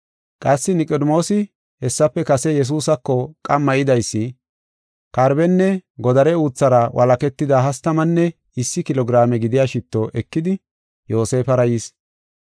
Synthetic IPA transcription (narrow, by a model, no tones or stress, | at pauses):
kʼɐsːɪnɪkʼɔd̪mo̞ːsɪ | hɛsːɐpːɛkɐsɛjɛs̬uːsɐkːɔkʼɐmːɐʔɪd̪ɐjsːɪ | kɐɾbɛnːɛɡɔd̪ɐɾɛuːt͡sːɐɾɐwʔɐlɐkɛt̪ːɪd̪aɦɐst̪ːɐmɐnːɛ | ɪsːɪkɪlɔɡɪɾaːmɛɡɪd̪ɪjaːʃɪt̪ːoʔɛkːɪd̪ɪ | jo̞ːse̞ːfɐɾɐjis